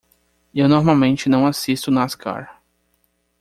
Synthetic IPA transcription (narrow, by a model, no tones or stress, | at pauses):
ewnoɾmawmẽnt͡ʃɪnɐ̃w̃asist̪ʊnɐaskʰa̰ɾ